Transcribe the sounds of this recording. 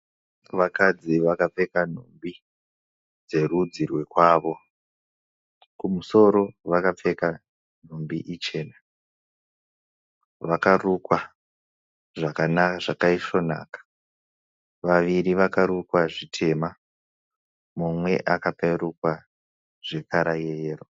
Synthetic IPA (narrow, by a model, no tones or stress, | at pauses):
ʋakad͡ziʋakap͡fe̞kan̤ombi | d͡ze̞rud͡zirwe̞kwaːʋo̞ | kumuso̞ɾo̞ʋakap͡fe̞ka | n̤ombḭʔit͡ʃe̞ːna | ʋakarukwa | ʐakanakaʐakaiʃo̞na̰ːkḁ | ʋaʋiɾiʋakaɾukwaʐitʰe̞ma | mumwe̞̰ʔakapeirukwa | ʐ̥e̞kaɾajejeːro